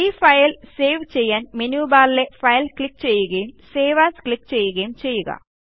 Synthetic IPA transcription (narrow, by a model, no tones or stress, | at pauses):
iːfɐjlse̞ːʋt͡ɕe̞jːaːnmenuːbaːlile̞fɐjɐlkɭik̚ːt͡ɕe̞jːuɣɐjumse̞ːʋaːsklikːt͡ɕe̞jːuɣɐjumt͡ɕe̞jːuɣɐ̰